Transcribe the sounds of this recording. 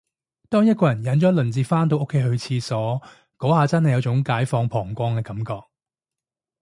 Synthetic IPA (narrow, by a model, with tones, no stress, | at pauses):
t̪ɔː˥ŋjɐ˥t̚kɔː˧jɐ˨˩njɐ˨˥nt͡ʃɔː˨˥lɵ˨˩nt͡siː˨˧faː˥nt̪o˧wʔo˥kʰːe˨˧jɦɵ˨˧t͡sʰiː˧sɔː˨˥ | kɔː˨˥haː˨˧t͡sɐ˥nhɐ˨jɐ˨˧wt͡sʊ˨˧˥ŋkaː˨˥jfɔː˧ŋpʰɔː˨˩ŋkʷɔː˧ŋkɛː˧kɐ˨˥mkɔː˧k̚